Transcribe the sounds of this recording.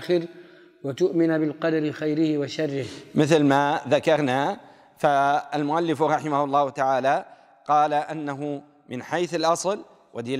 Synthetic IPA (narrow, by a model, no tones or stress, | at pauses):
xɪɾ | wat̪ʊʔmɪnabɪlqɑd̪aɾɪxajɾɪhɪwaʃɑrˤːɪhmɪθlmaːðakɑɾˤnaː | faalmʊʔalːɪfɾˤɑħɪmahʊlˤːɑːhʊt̪aʕaːla | qɑːlaʔanːaɦʊ | mɪnħajθalʔɑsˤl | wʔad̪ːɪl